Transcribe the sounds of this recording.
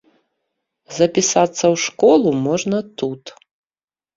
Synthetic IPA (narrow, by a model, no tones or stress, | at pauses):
zɐpʲisat̪sːɐwʂkɔlˠumɔʐnɐt̪ut̪